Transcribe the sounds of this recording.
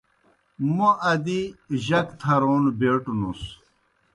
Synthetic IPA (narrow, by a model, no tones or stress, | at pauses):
moʔɐd̪iʑɐkt̪ʰɐɾoːnbeːʈunus